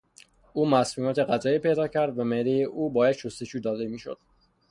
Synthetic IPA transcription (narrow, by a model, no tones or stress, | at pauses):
ʔuːmæsmiːmɒːt̪ʰe̞ɢæzɒːiːpe̞jd̪ɒːcʰæɾd̪væmehd̪ejeʔuːbɒːjæd̪̥ʃost̪e̞d͡ʒuːd̪ɒːd̪e̞miːʃo̰d̪̥